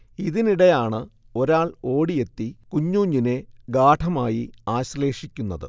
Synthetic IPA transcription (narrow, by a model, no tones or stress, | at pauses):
iðiniɽejaːɳɨ | o̞ɾaːɭo̞ːɽije̞t̪ːikuɲːuːɲːine̞ɡaːʈʰɐmaːjiaːɕle̞ːʂikʲːunːɐðɨ̰